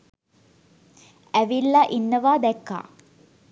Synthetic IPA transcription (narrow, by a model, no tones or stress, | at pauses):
æʋilːaʔinːɐʋaːd̪ɛkːa̰ː